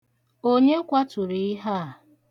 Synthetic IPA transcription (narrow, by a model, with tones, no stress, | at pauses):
o˦ɲe˦kʷa˦tʊ˨ɾi˨i˦ɦa˦˨